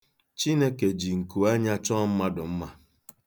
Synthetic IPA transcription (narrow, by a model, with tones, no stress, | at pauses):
t͡ʃi˦ne˦ke˨d͡ʒi˨ŋ̩˨ku˨a˦ɲa˦t͡ʃɔ˦m̩˦ma˦dʊ˨m̩˦ma˦